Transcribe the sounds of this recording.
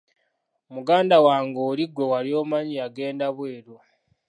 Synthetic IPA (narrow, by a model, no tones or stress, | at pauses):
omuɡaːndawaːŋɡoːliɡwe̞waɾjo̞ːmaɲiaɡe̞ːndaβwe̞ːɾo